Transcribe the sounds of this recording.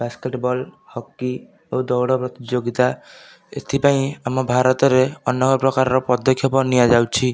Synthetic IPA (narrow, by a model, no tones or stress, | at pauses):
baskeʈbɔlhɔkːi | owd̪ɔwɽɔpɾɔt̪id͡ʒoɡit̪a | ḛt̪ʰipaĩamɔbʱaɾɔt̪ɔɾeɔnːɔkɔpɾɔkaɾɔɾɔpɔd̪ʱːɔkʰjɔpɔniad͡ʒawt͡ʃʰi